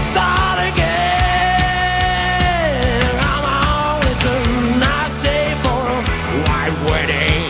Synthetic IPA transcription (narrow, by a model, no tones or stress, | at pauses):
stɑɾɨɡɛ | nãɪ̃mɔ | wizənaɪsdeɪfə | waɪt̚wɜ˞ɾɪ̃ŋ